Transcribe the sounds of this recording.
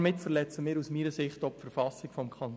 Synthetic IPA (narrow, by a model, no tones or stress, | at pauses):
mɪtfəɾlɛt͡səmɪːɾusmiːɾəsɪχtɔpfɛəɾfɑsɪkfɔmkʰɑnt